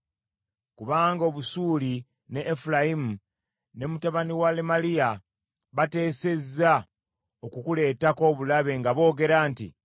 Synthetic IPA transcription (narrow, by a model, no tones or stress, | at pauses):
kuβaːŋɡo̞βusuːli | ne̞ʔːfulajimu | ne̞mutaβaniwalemalija | βate̞ːse̞za | okukule̞ːtako̞ːβulaβe̞ŋɡaβo̞ːɡe̞ɾaːntḭ